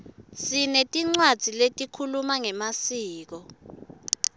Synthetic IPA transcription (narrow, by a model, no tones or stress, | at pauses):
sinetʼiŋ͡ǀwad̥z̥ʱiletʼikʰulumaŋɛmasiːk̬ɔ